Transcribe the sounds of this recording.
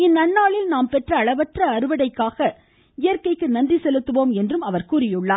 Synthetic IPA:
ɪnːɐnːaːɭɪlnaːmpɛʈrɐːɭɐʋɐtrɐːɾɯʋɐɽɐɪkːaːɣɐ | ɪjɐɾkɐɪkːɯnɐndrisɛlɯt̪ːɯʋoːmɛndrɯmɐʋɐɾkuːrɪjɯɭːaːɾ

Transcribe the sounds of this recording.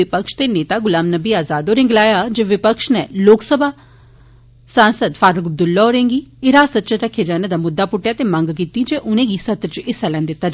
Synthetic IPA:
ɪpəkʃt̪eːneːt̪aːɡʊlaːmnəbiːaːzaːd̪oːɾɪ̃ŋɡlaːjaːd͡ʒeːʋɪpəkʃnɛːloːksəbʱaː | sãːnsəd̪faːɾʊkəb̚d̪ʊlːaoːɾẽːŋɡiːeɾaːsət̪ːt͡ʃəɾəkʰːeːd͡ʒaːneːd̪aːmʊd̪ːaːpʊʈːjaːt̪eːmə̃ŋɡkiːt̪iːd͡ʒeːʔʊnẽːɡiːsət̪ɾət͡ʃɪsɛlɛ̃ːnd̪ɪt̪ːaːd͡ʒ

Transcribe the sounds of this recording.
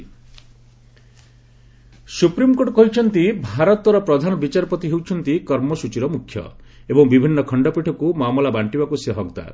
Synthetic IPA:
supɾimkoɽkɔɦit͡ʃʰɔnt̪ibʱaɾɔt̪ɾɔpɾɔd̪ʱanɔbit͡ʃaɾpɔt̪iɦewt͡ʃʰɔnt̪ikɔɾmɔsut͡ʃiɾɔmukʰːjɔ̰ebɔŋbibʱinːɔkʰɔɳɖɔpiʈʰɔkumamɔlabaɳʈibakuseɦɔɡt̪a̰

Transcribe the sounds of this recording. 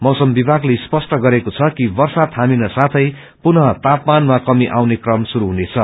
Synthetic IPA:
mʌwsʌmbibʱaɡlejspʌsʈʌɡʌɾekot͡sʰʌkibʌrsat̪ɦaminʌsat̪ʰʌj | punʌt̪apmanmakʌmiʔawnekrʌmsuɾuɦunet͡sʰʌ

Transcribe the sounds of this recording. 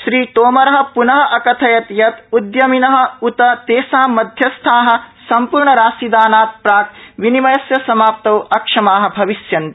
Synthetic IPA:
ʃɾiːt̪oːmɐɾɐɦɐ̆punɐɦɐʔɐkɐt̪ʰɐjɐt̪jɐt̪ud̪jɐminɐɦɐ̆ut̪ɐt̪eːsaːɐd̪ʱjɐst̪ʰaːɦɐ̆sɐmpuːɾɳɐɾaːsid̪aːnaːt̪̚pɾaːk̪̚ʋinimɐjɐsjɐsɐmaːp̚t̪ɐwɐkʂɐmaːɦɐ̆bʱɐʋiʃjɐn

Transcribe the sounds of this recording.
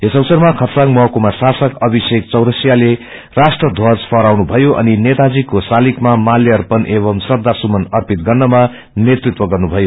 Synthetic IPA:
esʌwsʌrmakʰʌt̪saŋmʌɦkumasasʌkʌbʱisek̚t͡sʌwɾʌsjale | rasʈrʌd̪ʱwʌd͡zpʰʌɾawnubʱʌjoʔʌ̰ninet̪ad͡zikosalikmamaljʌrpʌnʔeβʌmsrʌd̪ʱːasumʌnʌrpit̪ɡʌrnʌma | net̪rit̪wʌɡʌrnubʱʌjo

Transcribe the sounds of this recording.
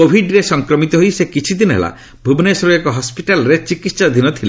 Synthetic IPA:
kobʱiɖɾesɔŋkɾɔmit̪ɔɦojsekit͡ʃʰid̪inɔɦḛla̰ | bʱubnesɔɾuekɔɦɔspiʈalɔɾet͡ʃikit̪sad̪ʱinɔt̪ʰile

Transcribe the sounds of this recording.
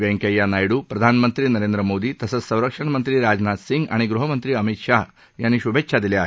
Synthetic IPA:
ʋɛ̃ŋkjajːanajɽuːpɾəd̪ʱanmənt̪ɾiːnəɾend̪ɾəmod̪iːt̪əsət͡ssə̃w̃ɾəkʂəɳ̃mənt̪ɾiːɾad͡znat̪siŋɡa̰ɽ̃iɡɾuɦəmənt̪ɾiːəmit̪ʂaɦ | janːiɕubʱekʂʰad̪ileaːɦ

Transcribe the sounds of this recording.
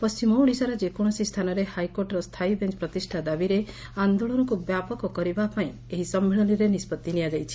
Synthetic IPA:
pɔst͡ʃimɔwɽ̃isaɾɔd͡ʒekɔɽ̃ɔsist̪ʰanɔɾehajkoɾʈɔɾɔst̪ʰaibent͡ʃpɾɔt̪isʈʰad̪abiɾeand̪oɭɔnɔkubjapɔkɔkɔɾibapaĩ | eɦisɔmːeɭɔniɾenispɔt̪ːinijad͡ʒajt͡ʃʰi̥

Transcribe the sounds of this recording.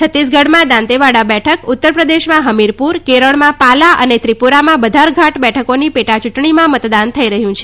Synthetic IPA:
t͡ʃʰət̪ːis̬ɡʱəɽmãd̪ãnt̪eʋaɽabɛʈʰəkut̪ːəɾpɾəd̪eʃmãɦəmiɾpuɾkeɾəɭmãpalaʔənet̪ɾipuɾamãbəd̪ʱaɾɡʱaʈbɛʈʰəkonipeʈat͡ʃuʈɳimãmət̪d̪ant̪ʰəiɾəɦjũt͡ʃʰe

